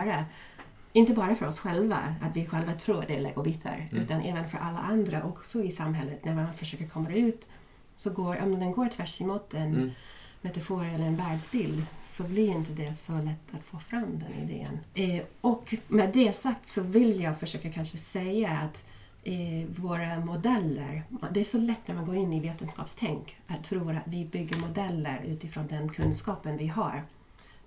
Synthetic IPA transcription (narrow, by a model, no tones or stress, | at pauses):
ɾa | ɪnt̪əbɑːɾafœɾɔsɧɛlva̰a̰t̪vɪɧɛlvat̪ʰɾuːɾa̰d̪ɛɭɛ̰ːɡʊbiːt̪ʰə̰ɾʉ̟ːt̪anʔɛ̰ːvənfœɾʔalːa̰ʔand̪ɾaʔɔksɔɪsamɦɛlːət̪næɾmanfœʂøːkəɾkʰɔmːad̪ɛʉ̟ːt̪ | sɔɡoːɾʔɔ̰md̪ɛnɡoːɾʈʰvæʂɪmut̪ɛn | mɛt̪afuːɾɛlːəɾɛnbæɾdsbɪld̪sɔblɪɾɪnt̪əd̪ɛsɔlɛt̪ʰːat̪foːfɾamːd̪ɛ̰nɪ̰d̪ḛːə̰nɔkmɛd̪ɛsak̚t̪sɔvɪljɑːɡfœʂøːkakʰanʂəsɛjːaːt̪ | voːɾamʊd̪ɛlːə̰ɾd̪ɛæʂɔlɛt̪ːnæɾmanɡoːɾɪnːɪveːt̪ənskɑ̰ːpst̪ʰɛŋkat̪ʰːɾuːɾat̪vɪbʏɡːəɾmʊd̪ɛlːəɾʉ̟ːt̪ɪfɾoːnd̪ɛnkʰɵnskɑːpənvɪɦa̰ɾ